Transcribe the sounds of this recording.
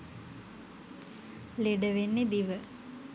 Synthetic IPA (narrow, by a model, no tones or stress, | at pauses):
leɖəʋenːed̪iʋə